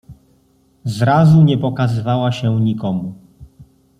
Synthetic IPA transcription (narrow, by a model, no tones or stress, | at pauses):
zɾazuɲɛpɔkazɘvawaɕɛɲikɔmu